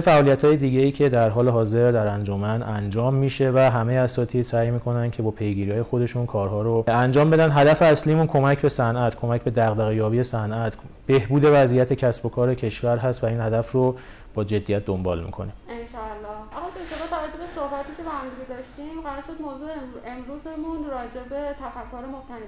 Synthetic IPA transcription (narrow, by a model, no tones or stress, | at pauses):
fæʔɒːlijæt̪ʰhɒːjed̪iːɟe̞iːcʰe̞d̪æɾɦɒːleɦɒːze̞ɾd̪æɾænd͡ʒomænʔænd͡ʒɒːmːiːʃe̞væɦæmejeæsɒːt̪ʰiːd̪sæːjmiːkʰo̞næncʰe̞bɒːpʰe̞jɡiːɾihɒːje̞xo̞d̪e̞ʃunkʰɒːɾɦɒːɾoænd͡ʒɒːmbe̞d̪ænd̪ɦæd̪æfeæsliːmunkʰo̞mæcʰbe̞sænʔæt̪ʰkʰo̞mæcʰbe̞d̪æɣd̪æɣejɒːbijesænʔæt̪ʰ | b̥e̞hbuːd̪e̞væzijæt̪ʰe̞cʰæsbo̞kʰɒːɾecʰe̞ʃvæɾɦæst̪væiːnhæd̪æfro | b̥ɒːd͡ʒe̞d̪ːijæt̪̚d̪o̞mbɒːlmḭkʰo̞nienʃɒːælːɒːhælɑbeeʃt̪ʰebɒːt̪t̪ʰævæd͡ʒːo̞besohbæt̪ʰiːcʰebehæmd̪iɡed̪ɒʃt̪imɢæɾɒɾʃod̪moːzuːeemɾuːzemunɾɒːd͡ʒe̞be̞t̪ʰæfækʰːoɾemot̪ʰæne